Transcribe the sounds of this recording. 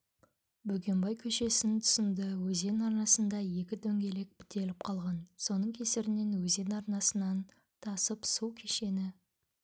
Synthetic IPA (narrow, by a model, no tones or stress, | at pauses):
bɵɡʲe̞mbɑjkʲʰɵʃe̞sɪnt̪ʰʊ̥sənd̪əwɵze̞nɑɾnɑsənd̪ɑje̞kʲɪd̪ʰɵŋɡʲe̞le̞k̚bɪ̥t̪e̞lɪp̚qʰɑlˠʁɑnso̞nəɴkʲʰe̞sɪɾɪne̞nwɵze̞nɑɾnɑsənɑn | t̪ʰɑsəpsuwkʲʰeʃe̞nɪ